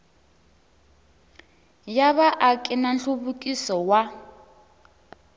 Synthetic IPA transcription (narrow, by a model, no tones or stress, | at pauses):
jaβaʔakʼɛnanɬuβukʼisɔwa